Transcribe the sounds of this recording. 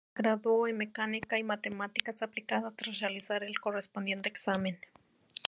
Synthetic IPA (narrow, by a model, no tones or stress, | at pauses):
ɡ̥ɾaðooemekanikaimat̪emat̪ikat͡saplikaðat̪ɾaralisaɾelkorespond̪jent̪eeksamen